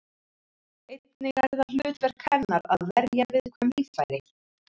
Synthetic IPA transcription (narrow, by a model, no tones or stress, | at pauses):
ejt̪nɪɣaɾðalʏːt̪vɛɾ̥kʰɛnːaɾaðvɛɾjavɪðkʰvɛmviːfajɾɪ